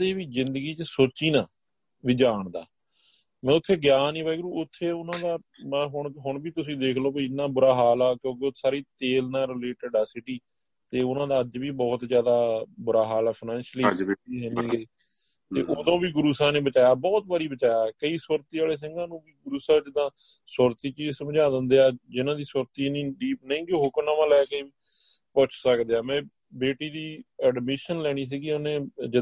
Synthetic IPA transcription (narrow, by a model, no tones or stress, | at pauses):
d̪eːʋiːzɪnd̪əɡiːt͡ʃəsoːt͡ʃiːnãː | ʋiːd͡ʒaːɳd̪a̰ː | mɛ̃ːʊt̪ʰːeːɡjaːnːĩːbaːiːɡɾuːʊt̪ʰːeːʊnãːd̪aː | ɦʊɳɦʊɳbiːt̪ʊsĩːd̪eːkʰloːbeɪnːãːbʊɾaːɦaːlaːkjõːk̬eosaːɾiːt̪eːlnãːɾɪleːʈəɖasɪʈiː | t̪eːʊnãːd̪aːəd͡ʒʋiːbɔːt̪zjaːd̪aːbʊɾaːɦaːlaːpʰnɛ̃ːnʃliiːɦeːniːeː | t̪ḛːʔoːd̪õːbiːɡʊɾuːsaːneːbət͡ʃaːjaːbɔːt̪baːɾiːbət͡ʃaːjaːkəiːswəɾt̪iːaːleːs̬ɪŋɡãːnũːbiːɡʊɾuːsaːd͡ʒɪd̪ãː | səɾt̪iːt͡ʃiːsəmd͡ʒaːd̪ənd̪eːaːd͡ʒɪnãːd̪iːswəɾt̪iːnĩːɖiːpnəĩːɡiɦoːkənãːmãːlɛːkəiːi | pʊt͡ʃʰsəkd̪eːaːmɛ̃ː | beːʈiːd̪iːɛːɖmɪʃənlɛːɽ̃iːs̬iːɡiːonẽːd͡ʒɪ